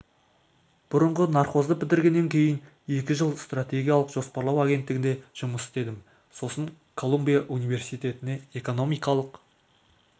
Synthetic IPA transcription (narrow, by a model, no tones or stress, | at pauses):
b̥ʊɾəɴʁənɑɾqo̞zd̪əpɪd̪ɪɾɡʲe̞nːe̞ŋkʲʰe̞jɪn | e̞kʲɪʒəlˠst̪rat̪ʲe̞ɡʲijalˠəqʒ̥o̞spɑɾlˠɑwaɡʲe̞nt̪ːɪɡɪnd̪e̞ʒ̥ʊməsɪ̥st̪e̞d̪ɪm | so̞səɴ | kʰo̞lˠumbijaʔunijve̞rsijt̪e̞t̪ɪne̞e̞ko̞no̞mijkɑlˠəq